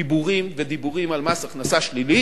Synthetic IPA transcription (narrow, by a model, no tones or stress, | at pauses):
ibuʁimved̪ibuʁimalmasaχnasaʃlili